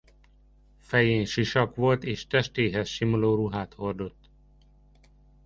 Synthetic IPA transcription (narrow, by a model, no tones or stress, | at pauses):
fɛjeːnʃiʃɒkʋo̞lt̪eːʃt̪ɛʃt̪eːɦɛsʃimoloːɾuɦaːt̪hord̪o̞t̪ː